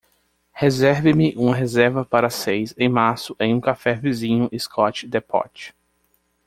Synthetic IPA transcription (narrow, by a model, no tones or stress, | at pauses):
hezɛɾvɪmɪʔũmɐɦezɛɾvɐpaɾɐsejsẽj̃maɾsʊʔẽj̃ũkafɛvizĩɲʊʔɪskʰɔt͡ʃɪd̪ɛpʰɔ̰t͡ʃɪ̥